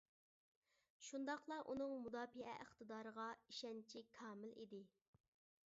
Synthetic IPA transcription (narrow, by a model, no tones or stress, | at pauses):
ʃund̪ɑqlˠɑʔunɨŋmud̪ɑːpiɛ̰ʔəχt̪ɨd̪ɑːɾəʁɑiʃɛnt͡ʃʰikʰɑːmɪlḭd̪ɪ